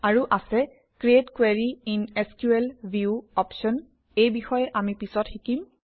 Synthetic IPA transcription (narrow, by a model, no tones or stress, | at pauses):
aɹuʔasɛ | kɹiedkweɹiineskjuelbʱiuɔpʃɔn | ejbixɔjɛʔamipisɔtxikim